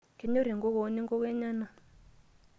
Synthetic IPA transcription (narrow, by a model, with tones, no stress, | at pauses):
ke˨ɲo˦ɾi˨ŋɡɔ˦ɣɔ˨nɛ˦ŋɡɔ˦kɛ˦ɲa˦na˨